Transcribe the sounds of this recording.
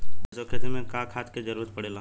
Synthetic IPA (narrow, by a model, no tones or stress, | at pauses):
ɪsokʰeːt̪ɾmẽkãːkʰaːt̪ked͡ʒəɾuːɾət̪̚pəɽeːlaː